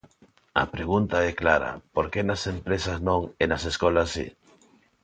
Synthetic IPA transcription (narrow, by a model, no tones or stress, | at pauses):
ɐ̰pɾeɣ̞unt̪aɛklaɾɐ̰poɾkenasempɾesaznõŋenaseskolasḭ